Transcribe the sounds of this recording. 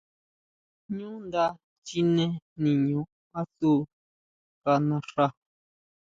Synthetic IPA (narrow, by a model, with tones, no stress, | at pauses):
ɲũ˦nd̪a˦ | t͡ʃi˧nẽ˦nĩ˨ɲũ˨ | a˦su˦ | ka˧nã˧ʂa˧